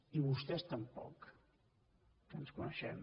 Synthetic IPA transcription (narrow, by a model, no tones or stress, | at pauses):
iβust̪ɛst̪əmpɔ̰k | ənskunəʃɛ̰m